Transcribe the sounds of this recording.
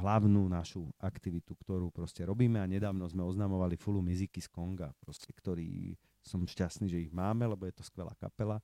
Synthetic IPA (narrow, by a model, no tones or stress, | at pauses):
ɦlaʊnuːnaʃuakt̪iʋit̪ukt̪ɔɾuːpɾɔscɛɾɔbiːmɛaɲɛd̪aːʊnɔzmɛɔznaːmɔʋalifulumizikiskɔŋɡapɾɔscɛkt̪ɔɾḭː | sɔmʃcast̪niːʒɛiɣmaːmɛlɛbɔjɛt̪ɔskʋɛla̰ːka̰pɛla